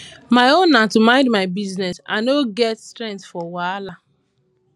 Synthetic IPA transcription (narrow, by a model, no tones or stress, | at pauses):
maɪonːatumãɪ̃ndmaɪbiznɛsã̰noɡɛtstɾɛ̃ŋkθfɔwala